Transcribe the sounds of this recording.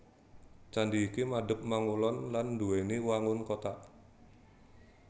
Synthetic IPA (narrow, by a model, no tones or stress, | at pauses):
t͡ʃandiːkimaɖə̤p̚maŋulɔnlanːduweniwaŋʊnkot̪aʔ